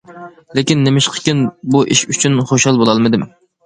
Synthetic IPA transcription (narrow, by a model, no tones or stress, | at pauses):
lekʲinːemɪʃqʰə̥kʲinbuʔiʃyt͡ʃʰynχoʃhɑlˠbolˠɑlˠmɨd̪ɪm